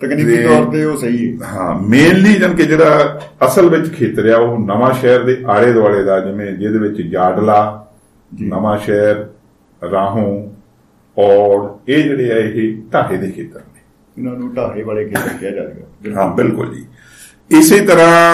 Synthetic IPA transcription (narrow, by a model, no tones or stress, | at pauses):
t̪əknet̪ɔːɾt̪eːoːsəiːɛːɦã̰ːmeːnliːd͡ʒənkeːd͡ʒeːɽaː | əsəlʋɪt͡ʃkʰeːt̪əɾjaːonəʋãːʃɛːɾd̪eːʔaːɽeːd̪oaːɭeːd̪aːd͡ʒɪʋẽːd͡ʒeːd̪eːʋɪt͡ʃd͡ʒaːɖlaː | d͡ʒinəmãːʃɛːɾ | ɾãːɦõː | ɔːɾeːd͡ʒeːɽeːɛːɪɦeʈaːɦeːd̪eːkʰeːt̪əɾneː | ʊnãːnũːʈaːɦeːʋaːleːkʰeːtəɾkɪjaːd͡ʒaːɾḛːɡaːɦãːbɪlkʊ̰ld͡ʒḭː | ɪseːt̪əɾãː